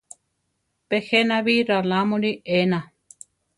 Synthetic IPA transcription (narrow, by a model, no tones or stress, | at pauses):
pexenaβiɾalamõɾiʔena